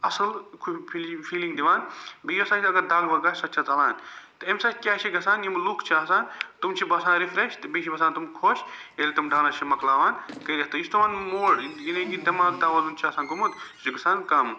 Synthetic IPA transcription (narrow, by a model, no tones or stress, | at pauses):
ɐsɐlkʰupʰifʰiːliŋɡd̪iʋaːnbiiɐsaːt͡ʃʰiɐɡɐɾd̪ɐːɡbɐɡɐsɐt̪ːt͡ʃʰat̪ɐlaːnt̪emsaːkʲaːt͡ʃʰiɡɐsaːnjimlukʰt͡ʃʰiɐːsaːnt̪umt͡ʃʰibɐsaːnɾifɾeʃt̪biːʃibɐs̬ãːnt̪umkʰoːʃ | elit̪umɖʱaːnɐt͡ʃʰimɐklaːʋaːnkɐɾʲɐɦt̪ɐjist̪uʋãːnmoːɽjinɐ̃ɡid̪ɐmaːɡd̪aːʋɐzunt͡ʃʰiɐːsaːnɡumut̪t͡ʃiɡɐsaːnkɐm